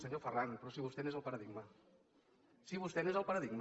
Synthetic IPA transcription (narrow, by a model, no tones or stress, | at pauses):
səɲofəranpɾɔsiβust̪ɛnezəlˠpəɾəðiɡmə | siβust̪ɛnezəlˠpəɾəðiɡm